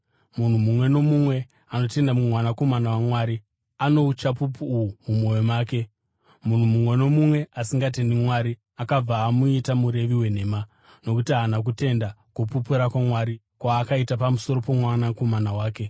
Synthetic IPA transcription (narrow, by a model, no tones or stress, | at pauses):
mun̤umumwe̞no̞mumwe̞ | ano̞te̞ndamumwanako̞manawamwaːɾi | ano̞ut͡ʃapupuːwumumo̞jomaːke̞ | mun̤umumwe̞no̞mumwe̞ʔasiŋɡat̬e̞ndimwaɾi | akab͡vaːmuitamuɾe̞ʋiwe̞n̤e̞ːma | no̞kutiaɦnak̬ute̞ndakupupuɾakwamwaːɾi | kwaːkaitapamuso̞ɾo̞po̞mwanakomanawaːke̞